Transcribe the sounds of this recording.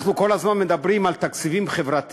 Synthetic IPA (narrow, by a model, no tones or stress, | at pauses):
χnukolazmanmed̪abɾimalt̪akt͡sivimχevɾat̪